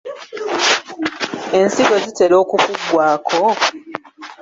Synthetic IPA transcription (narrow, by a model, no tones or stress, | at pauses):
e̞nsiɡo̞zite̞lo̞ːkufuɡwaːkʰo